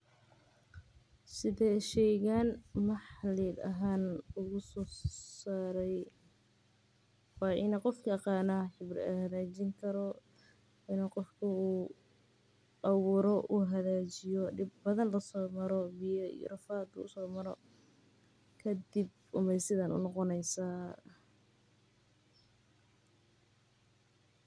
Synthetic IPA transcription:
sɪðɛʃɛjɣaːnmɐħliːd̪ɐ̰ɦaːnʊɣʊsɔːsaːɾɛj | wɑːʔɪnɐqɔfkʰɐqɑːnɐħɪbrɪ̰ɐhɐðaːt͡ʃɪŋkʰɐɾɔ | ɪnɐqɔfkʰɐuː | ʔɐwʊɾɔʔuːɦɐðaːt͡ʃɪjɔɖɪbːɐðɐnlɐsɔːmɐɾɔbijɔḭjɔ̰rɐfaːd̪ʊʊ̰sɔːmɐɾɔ̰ | kʰɐd̪ɪb | ʔʊmɛjsɪðɐnʊ̰nɔqɔnɛjsaː

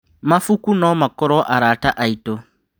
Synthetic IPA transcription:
mafukunɔmakɔɾɔʔaɾaːtaʔaito

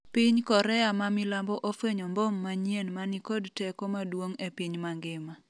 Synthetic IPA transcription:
pɪɲkɔɾɛamamilambɔʔofweɲɔmbɔmːaɲjenmanikodtɛkomadwoŋepiɲmaŋɡɪma

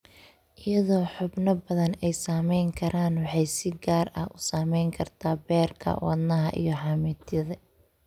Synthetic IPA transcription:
ʔɪjɐðɔːħʊbnɐbɐðɐnɛjsaːmɛjŋkʰɐɾʔaːnwɑħɑjsɪɡaːrɐ̰hʊsaːmɛjŋkʰɐrt̪ʰaːbɛːrkʰɐ̰wɑ̰d̪nɐɦɐ̰ʔḭjɞħɑːmɪt̪ʰjɐðɐ

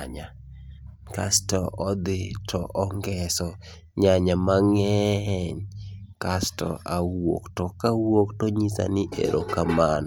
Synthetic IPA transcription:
ɲa | ka̰stɔʔɔd̪ɪtʰɔ̰ʔɔŋɡɛsɔ | ɲaɲamaŋɛɦɛɲkastɔ̰ʔawo̰ktɔkawoktoɲisa̰nɪʔḛɾʔo̰kaman

